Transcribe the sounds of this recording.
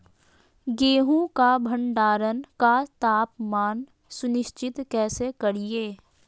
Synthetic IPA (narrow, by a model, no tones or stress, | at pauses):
ɡeːɦũkabʱə̃ɳɖaːɾənkat̪aːpmaːn | sʊnɪʃt͡ʃɪt̪kɛːsekəɽieː